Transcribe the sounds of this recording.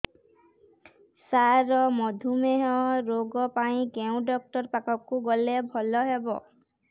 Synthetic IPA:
saɾɔmɔd̪ʱumeɦɔɾoɡɔpaĩkeʊ̃ɖɔk̚ʈɔɹpakɔkːuɡɔlebʱɔlɔɦebɔ̰

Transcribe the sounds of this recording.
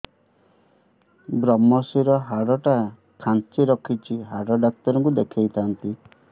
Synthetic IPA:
bɾɔmɔsiɾɔɦaɽɔʈa | kʰant͡ʃiɾɔkʰit͡ʃʰiɦaɽɔɖak̚t̪ɔɾɔŋkud̪ekʰejt̪ʰant̪i

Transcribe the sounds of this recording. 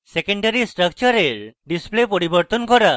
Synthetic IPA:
sekeɳɖaɾisʈɾək̚t͡ʃɔɾeɾɖisplepɔɾibɔɾt̪ɔnkɔɾa

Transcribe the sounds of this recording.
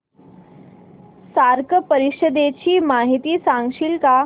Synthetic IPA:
saɾkəpəɾiɕəd̪et͡ɕiːmaɦit̪iːsãŋɡɕilka

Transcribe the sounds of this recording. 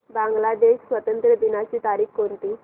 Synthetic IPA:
baŋɡlad̪eɕsʋət̪ənt̪ɾəd̪inat͡ɕiːt̪aɾiːkkont̪iː

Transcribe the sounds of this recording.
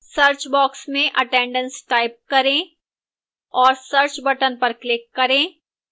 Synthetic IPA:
sɐɾt͡ʃbɔːksmẽʔɐʈẽːɳɖə̃nsʈaːɪp̚kɐɾẽː | ɔːɾsɐɾt͡ʃbɐʈənpɐɾklɪkːɐɾẽː

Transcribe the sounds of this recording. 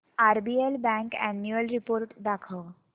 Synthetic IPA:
aɾbielbɛ̃ŋkæ̰njuəlɾipoːɾʈd̪akʰə

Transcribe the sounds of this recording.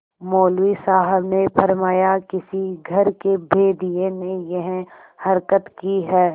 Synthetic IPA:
moːlwisaːɦəbnepʰɐɾmaːjakɪsiɡʱɐɾkebʱeːd̪ijenejɐɦ | hɐɾkət̪kiɦɛː

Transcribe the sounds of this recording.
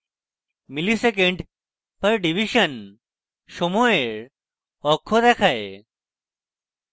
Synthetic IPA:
milisek̬ẽɳɖ | pəɾɖiʋiɕən | ʃomoeɭ | ɔkʰːod̪ɛkʰae

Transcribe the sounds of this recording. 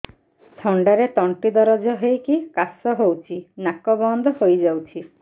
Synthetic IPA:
t̪ʰɔɳɖaɾet̪ɔɳʈid̪ɔɾɔd͡ʒɔɦejkikasɔɦowt͡ʃʰinakɔbɔnd̪ɔhojd͡ʒawt͡ʃʰi

